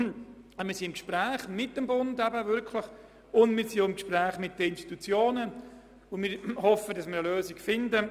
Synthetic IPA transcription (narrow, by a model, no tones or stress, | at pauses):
mɪːsinɪmkʃpɾæːχmɪt̚d̥əmbʊndɛbəʋʏɾkʰləχ | ʊndmɪɾsioɪmkʃpræːχmɪt̚dəɪnʃti̥t̪ut͡sjoːnə | ʊnmɪɾhɔfədɑsmɪɾəløːsikfɪndə